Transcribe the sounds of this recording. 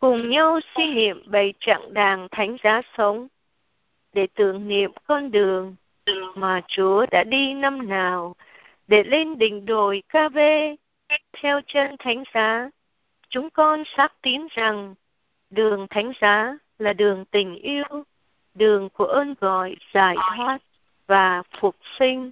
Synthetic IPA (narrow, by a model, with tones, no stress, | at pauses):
kʊ˨˩ŋ͡mɲa˧wswi˧ŋḭ˧˨əmɓə˧˩jt͡ɕa̰˧˨ŋɗaː˨˩ŋt̪ʰa˨˦jŋ̟zaː˨˦sə˨˦wŋ͡m | ɗe˧˩t̪ɨ̰˧˨əŋnḭ˧˨əmkɔ˧nɗɨ˨˩əŋ˨ | maː˨˩t͡ɕu˨˦əɗa̰ː˧˥ɗi˧na˧mnaː˨˩w | ɗe˧˩le˧nɗï˧˨ŋ̟ɗo˨˩jkaː˧ve˧ | ka˦˥k̚t̪ʰɛ˧wt͡ɕə˧nt̪ʰa˨˦jŋ̟zaː˨˦ | t͡ɕʊ˨˦ŋ͡mkɔ˧nsaː˦˥k̚t̪i˨˦ənza˨˩ŋ | ɗɨ˨˩əŋt̪ʰa˨˦jŋ̟zaː˨˦ | laː˨˩ɗɨ˨˩əŋt̪ï˨˩ŋ̟ʔi˧əw | ɗɨ˨˩əŋku˧˩əʔəː˧nɣɔ̰˧˨jz̥aː˧˩jt̪ʰwaː˦˥t̚ | vaː˨˩fʊ˨˩k͡p̚sï˧ŋ̟